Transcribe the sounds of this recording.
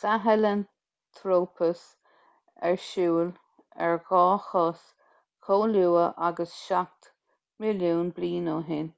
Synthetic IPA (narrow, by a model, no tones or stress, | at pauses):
saɦələn | t̪ʰɾoːpʰəs | ɛɹʃuːl | ɛ̰ɹɡɔːxɔs | kʰoːluːəʔaɡəsʃak̚t̪ | mɪljuːnbliːnoɦɪn